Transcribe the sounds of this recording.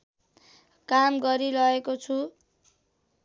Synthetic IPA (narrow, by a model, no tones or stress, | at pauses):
kamɡʌɾiɾʌekot͡sʰu